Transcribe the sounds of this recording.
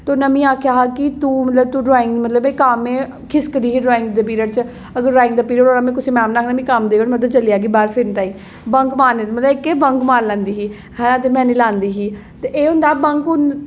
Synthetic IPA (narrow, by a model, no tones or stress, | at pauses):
t̪oːnəmĩːaːkʰjaːɦakɪt̪uːmət̪ləb̚t̪uːɖɔːɪ̃ŋɡmət̪ləbekaːmẽː | kʰɪskəd̪iːɦiːɖɾoːɪ̃ŋɡd̪eːpiːɾəɽt͡ʃ | əɡəɾɾaːɪ̃ŋɡd̪aːpiːɾəɽoːnamẽːkʊsiːmɛ̃ːmnaːkʰːnəmĩːkamd̪eːʋənmət̪ləbt͡ʃəliːaːɡiːbaːɾpʰɪɾnʈ̪aːiː | bə̃ŋkmaːɾnet̪ːmət̪ləbɪkːeːbəŋkmaːɾlɛ̃ːnd̪iːɦiː | hɛ̃t̪emɛ̃ːniːlãːnd̪iːɦiːt̪eʔeːɦʊ̃nd̪aːbəŋkʊn